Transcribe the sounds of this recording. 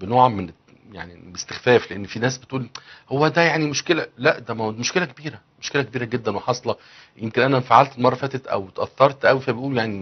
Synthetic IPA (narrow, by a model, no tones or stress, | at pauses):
benoːʕmen | ja̰ʕnibest̪e̥xfæːfleʔenːfiːnæːsbet̪ʔuːlhowːæd̪æjaʕnimoʃkelælæʔd̪æmæwd̪moʃkelækebiːɾæ | moʃkelækebiːɾæɡed̪ːænweħɑsˤlɑ | jemkenʔænæfaʕalt̪elmɑrˤːɑfæːt̪et̪ʔæ̰wt̪ʔæθːɑɾˤt̪ʔæwifæbet̪ʔuːljaʕni